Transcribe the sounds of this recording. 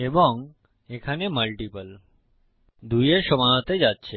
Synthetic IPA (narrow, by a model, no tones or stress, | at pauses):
ebɔŋɡ | ekʰaneməlʈipəl | d̪ʱujeʃəmaət̪ed͡ʒat̪̚t͡ʃʰe